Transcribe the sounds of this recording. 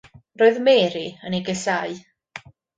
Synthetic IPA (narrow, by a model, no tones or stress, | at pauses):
roːɨðmɛːɾiəniɡɛsaɨ